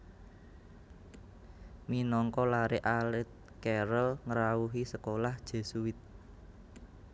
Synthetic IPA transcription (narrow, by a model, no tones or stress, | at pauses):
minɔŋkɔlaɾɪʔalɪt̪̚ | kɛɾəlŋəɾauɦisəkolahd̥ʒ̥e̤suwɪt̪̚